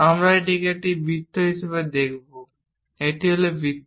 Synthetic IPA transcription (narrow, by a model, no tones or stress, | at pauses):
amɹaeʈ̬ikeʈibʱit̪ʰːoɦisabed̪ekʰibo | eʈiɦolebʱit̪ː